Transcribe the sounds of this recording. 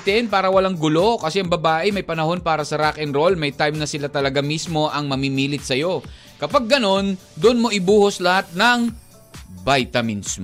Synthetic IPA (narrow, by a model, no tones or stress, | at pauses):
t̪ɛnpaːɾɐwɐlaŋɡʊlo̞kɐsɛʔɐŋbɐbaːʔɪmɐjpɐnɐho̞npaːɾɐsɐɾakʔɛnɾo̞lmɐjt̪ajmnɐsɪlat̪ɐlɐɡamismo̞ʔɐŋmɐmimiːlɪt̪̚sɐjo̞ | kɐpaɡ̚ːɐno̞nd̪ʊnmo̞ʔɪbuːhoslɐhat̪̚nɐŋ | bajt̪ɐmɪns